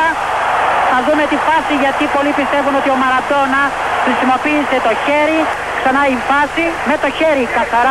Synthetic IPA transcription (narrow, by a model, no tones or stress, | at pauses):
ɐ | θɐðumet̪ifɐsiʝɐt̪ipo̞lipist̪e̞vuno̞t̪io̞mɐɾɐt̪o̞nɐ | xɾisimo̞piːse̞t̪o̞çe̞ɾi | ksɐnɐifɐsime̞t̪o̞çe̞ɾikɐθɐɾɐ